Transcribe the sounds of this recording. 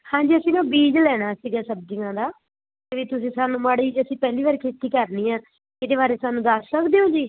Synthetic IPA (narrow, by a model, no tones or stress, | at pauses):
hãːd͡ʒiːəsĩːnãːbiːd͡ʒlɛːɽ̃aːsiːɡaːsəb̚d͡ʒɪɡãːd̪aː | t̪eʋiːt̪ʊsĩːsaːnũːmaːɽiːd͡ʒəsĩːpɛːliːʋaːɾkʰeːt̪iːkəɾniːãː | ɪd̪eːβaːɾeːsaːnũːd̪əssəkd̪eːõːd͡ʒiː